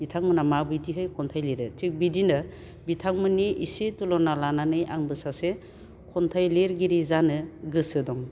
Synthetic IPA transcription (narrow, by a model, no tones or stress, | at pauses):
bitʰaŋmɯnamabidiɦɯjkʰɔntʰajliɾɯtʰik̚bidinɯ | bitʰaŋmɯniʔisetulɔnalananɯjʔa̰ŋbɯsase | kʰɔntʰajleɾɡiɾizanɯɡɯsɯdɔŋ